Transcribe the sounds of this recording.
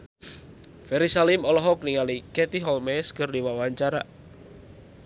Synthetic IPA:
fɛɾisalimɔlɔɦɔkniŋalikɛt̪iɦɔlmɛskərdiwawaɲt͡ʃaɾa̰

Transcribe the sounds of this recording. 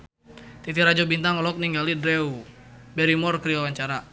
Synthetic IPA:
t̪it̪iɾad͡ʒɔbint̪aŋɔlɔk̚niŋɡalidɾɛu | bɛɾimɔrkɾiwawaɲt͡ʃaɾa

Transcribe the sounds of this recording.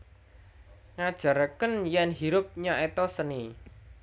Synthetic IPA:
ŋad̥ʒ̥ä̤ɾəkənjɛnɦiɾʊp̚ɲaʔet̪ɔsəni

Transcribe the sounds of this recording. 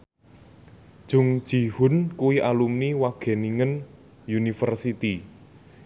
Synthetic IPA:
d̥ʒ̥ṳŋd̥ʒ̥i̤hʊ̤nkuwiʔalumniwaɡ̥e̤niŋən | junifərsit̪i

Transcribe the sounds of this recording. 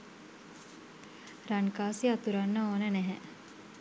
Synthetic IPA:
ɾaŋkaːsiat̪uɾanːəoːnənɛɦɛ

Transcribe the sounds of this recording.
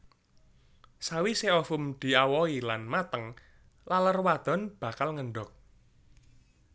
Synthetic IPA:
sawiseɔfʊmd̪̥i̤awɔilanmat̪əŋ | lalərwad̪̥ɔ̤nb̥a̤kalŋəɳɖɔk̚

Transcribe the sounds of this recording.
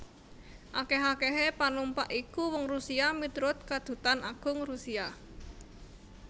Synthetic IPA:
ʔakeɦakeɦepanumpaʔikuwɔŋrusiamit̪ɾʊt̪̚kad̪̥ṳt̪anaɡ̥ʊ̤ŋrusia

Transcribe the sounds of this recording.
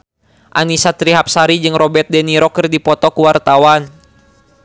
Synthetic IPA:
ʔanisat̪ɾiɦap̚saɾid͡ʒɨŋrɔbɛt̪̚dɛniɾɔkɨrdipɔt̪ɔkuwart̪awan

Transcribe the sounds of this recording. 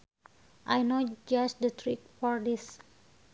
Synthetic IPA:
ʔajnod͡ʒast̚dət̪ɾik̚fɔɹdis

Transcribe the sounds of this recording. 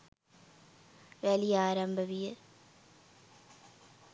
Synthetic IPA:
ʋelijaːɾɐmbʱɐʋije

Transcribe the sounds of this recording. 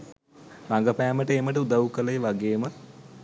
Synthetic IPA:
laŋɡəpæːməʈəeməʈ̬əud̪awukələjʋaɡeːmə

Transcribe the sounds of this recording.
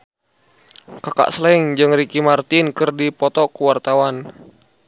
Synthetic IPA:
kaka̰ʔslɛiŋd͡ʒɨŋɾikimart̪inkɨrdipɔt̪ɔkuwart̪awan

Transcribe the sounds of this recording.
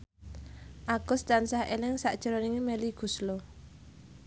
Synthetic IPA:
ʔaɡ̥ʊst̪ansahelɪŋsaʔd̥ʒ̥ə̤ɾoniŋimeliɡ̥ṳslo

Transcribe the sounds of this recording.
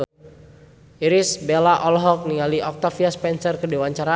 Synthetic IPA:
iɾisbelaʔɔlɦɔk̚niŋaliʔɔk̚t̪afiaspɛnsərkədewaɲt͡ʃaɾa

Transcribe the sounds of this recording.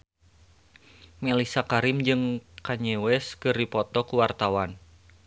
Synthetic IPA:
mɛlisakaɾɪmd͡ʒɨŋkaɲɛwɛskɨrdipɔt̪ɔkuwart̪awan

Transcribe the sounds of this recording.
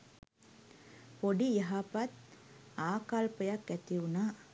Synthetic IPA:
poɖijɐɦapɐt̪ | aːkalpɐjɐkːɛt̪iʋunaː

